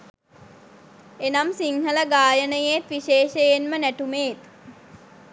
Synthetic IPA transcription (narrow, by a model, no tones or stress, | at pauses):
enamsiŋɦələɡaːjənəjet̪ʋiʃeːʃejenmənæʈumeːt̪